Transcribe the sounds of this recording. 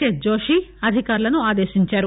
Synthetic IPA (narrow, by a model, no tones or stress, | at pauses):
ed͡ʒoːʃiɐd̪ʱikaːɾlɐnuaːd̪eːʃiɲt͡ʃaːɾu